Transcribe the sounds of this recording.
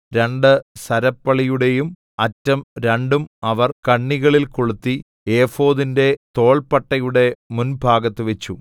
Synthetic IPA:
ɾe̞ɳɖɨsɐɾɐpːɐɭijuɽe̞jum | ɐtːɐmɾeɳɖumɐʋɐrkɐɳːiɣɐɭilkoɭut̪ːi | e̞ːfo̞ːðinde̞t̪o̞ːɭpɐʈːɐjuɽe̞munbʱaːɡɐt̪ːɨʋe̞t͡ɕːu

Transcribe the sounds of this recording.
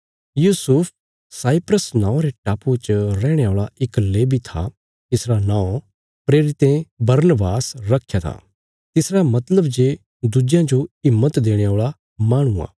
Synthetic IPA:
juːsʊp̚ʰ | saːipɾəsnãːõɾeʈaːpot͡ʃɾɛ̃ːɽ̃eoːɭaɪkleːbʱit̪ʰa̰ | t̪ɪsɾanãːõ | pɾeːɾɪt̪ẽbɐɾnbaːsɾɐkʰːjat̪ʰa̰ː | t̪ɪsɾamɐt̪ləbd͡ʒeː | d̪ud͡ʒjãd͡ʒoɪmːət̪d̪eːɽ̃eoːɭa | maːɽ̃ua̰ː

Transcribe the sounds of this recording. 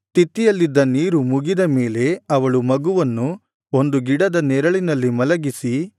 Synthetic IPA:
t̪it̪ːijɐlːid̪ːɐniːɾumuɡid̪ɐme̞ːle̞ɐʋɐɭumɐɡuʋɐnːu | o̞nd̪uɡiɽɐd̪ɐnɛɾɐɭinɐlːimɐlɐɡisi

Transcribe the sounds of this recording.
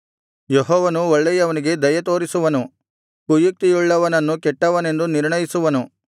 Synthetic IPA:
jeɦɔːʋɐnuɔɭːɛjɐʋɐniɡe̞d̪ɐjɐt̪̬o̞ːɾisuʋɐnu | kujuk̚t̪ijuɭːɐʋɐnɐnːukɛʈːɐʋɐne̞nd̪uniɾɳɐjisuʋɐnu

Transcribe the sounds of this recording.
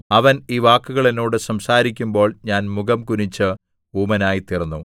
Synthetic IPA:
ɐʋɐniːʋaːkːuɣɐɭeno̞ːɽɨsɐmsaːɾikʲːumbo̞ːɭɲaːnmuɡɐmkunit͡ɕːɨ | uːmɐnaːjit̪irɐnːu

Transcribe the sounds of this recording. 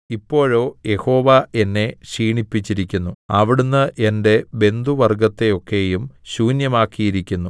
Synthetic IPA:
ipːo̞ːɻo̞ːje̞ho̞ːʋae̞nːe̞ɕiːɳipːit͡ɕːiɾikʲːunːuɐʋiɽunːɨʔende̞be̞nd̪uʋɐrɡɐt̪ːe̞jo̞kːe̞jumɕuːnjɐmaːkːijiɾikʲːunːu

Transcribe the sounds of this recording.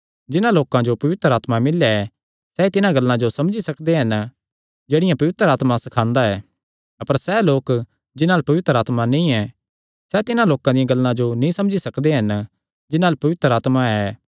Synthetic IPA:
d͡ʒɪnãloːkãd͡ʒopɐʋɪt̪əɾaːt̪mamɪlːeɛ | sɛit̪ɪnãɡɐlːãd͡ʒosɐmd͡ʒisɐkd̪eɦɐn | d͡ʒeːɽɪjãpɐʋɪt̪əɾaːt̪mãsɐkʰãːnd̪aɛː | ɐpəɾsɛloːk | d͡ʒɪnãːlpɐʋɪt̪əɾaːt̪manĩɛ | sɛt̪ɪnãloːkãd̪ɪjãɡɐlːãd͡ʒonĩsɐ̃md͡ʒisɐkd̪eɦɐn | d͡ʒɪnãːlpɐʋɪt̪əɾaːt̪maɛː

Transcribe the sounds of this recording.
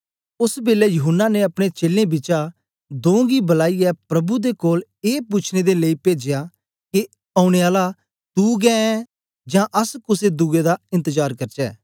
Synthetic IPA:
ʊsbeːlɛːjʊɦʊnːaːneɐpɽ̃et͡ʃeːlẽbɪt͡ʃa | d̪õːɡiːbəlaːiɛpɾɐbud̪ekoːleːpuːt͡ʃʰned̪eleiːpeːd͡ʒjaː | ke | aːʊɽ̃eaːla | t̪uːɡɛːɛ̃ | d͡ʒãːʔəskʊseːd̪uɡed̪aɪ̃nt̪əd͡ʒaːɾkɐɾt͡ʃɛ̰ː

